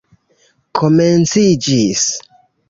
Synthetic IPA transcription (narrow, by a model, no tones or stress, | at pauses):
kʰoment͡sid͡ʒis